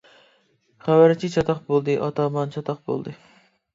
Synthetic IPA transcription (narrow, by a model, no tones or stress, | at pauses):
χævæɾt͡ʃʰit͡ʃʰɑt̪ʰɑqbolˠd̪ɨʔɑt̪ʰɑmɑnt͡ʃʰɑt̪ʰɑqbo̰lˠd̪ɨ